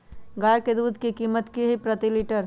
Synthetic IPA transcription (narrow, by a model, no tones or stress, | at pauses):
ɡajked̪uːd̪ʱkikimət̪kiɦipɾət̪iliʈəɾ